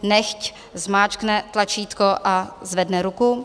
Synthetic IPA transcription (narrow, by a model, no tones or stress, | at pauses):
nɛxc | zmaːt͡ʃknɛt̪lat͡ʃiːt̪koʔazvɛdnɛɾukʊ